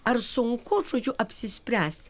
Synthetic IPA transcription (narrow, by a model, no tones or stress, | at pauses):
arsʊŋkʷʰʊʈ͡ʂʼʊd͡ʒuʔɐpsɪsprʲæːst